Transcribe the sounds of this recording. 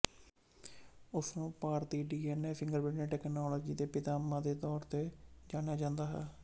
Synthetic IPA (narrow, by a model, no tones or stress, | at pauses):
ʊsnũːpaːɾt̪iːɖiːɛːnɛːfʰɪ̃ŋɡəɾbɪɖnẽːʈɛːknaːlɔːd͡ʒiːd̪eːpɪt̪aːmːãːd̪eːt̪ɔːɾt̪eːd͡ʒaːɽejaːd͡ʒãːnd̪aːɦɛ̰ː